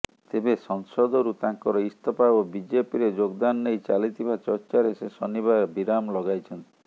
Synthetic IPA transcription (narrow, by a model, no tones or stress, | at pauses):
t̪ebesɔŋsɔd̪ɔɾut̪aŋkɔɾɔist̪ʰɔpaobid͡ʒepiɾed͡ʒoɡd̪anɔːejt͡ʃalit̪ibat͡ʃɔɾt͡ʃaɾesesɔniβaɾbiɾamlɔɡajt͡ʃʰɔnt̪i̥